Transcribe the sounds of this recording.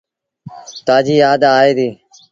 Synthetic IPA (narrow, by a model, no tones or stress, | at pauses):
t̪aːd͡ʒiːjaːd̪aːɦeːd̪iː